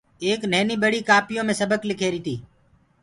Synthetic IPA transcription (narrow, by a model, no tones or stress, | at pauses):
eːknɛːniːɓəɽiːkaːpɪjõːmẽːsəbəklɪkʰeːɾiːt̪ʰiː